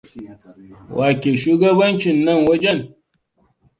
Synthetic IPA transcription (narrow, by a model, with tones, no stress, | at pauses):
wʔaː˨kʲeː˨ʃuː˦ɡɐ˦bɐ˦nt͡ʃɪ˨nːɐ˦˨ŋwɐ˦d͡ʒɛ˦n